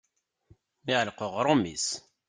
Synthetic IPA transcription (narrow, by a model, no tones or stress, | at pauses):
miʁlqoʁɾˤomḭs